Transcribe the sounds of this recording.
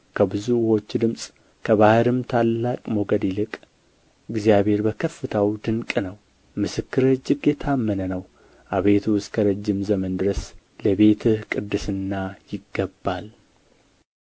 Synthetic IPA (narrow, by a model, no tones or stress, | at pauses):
kʰəbɨzuwo̞t͡ʃːd̪ɨmsʼ | kʰəβahɨɾɨmt̪ʰalːakʼmoɡəd̪jɪlɨkʼ | ɨɡzijaβe̞ɾbəkʰəfːɨt̪ʰəwd̪ɨŋkʼnəw | mɨsɨkːɨɾɨd͡ʒɨɡjɛt̪ʰamːənənəw | ʔaβet̪ʰuskʰəɾəd͡ʒːɪmzəmənd̪ɨɾəs | ləβe̞t̪ʰɨhkʼɨd̪ːɨsɨnːajɪɡːəbːal